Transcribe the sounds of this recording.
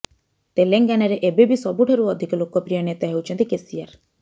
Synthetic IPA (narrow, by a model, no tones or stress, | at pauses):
t̪eleŋɡanɔɾeʔebebisɔbuʈʰeɾuɔd̪ʱikɔlokɔpɾijɔnet̪aɦewt͡ʃʰɔnt̪ikesiaɾ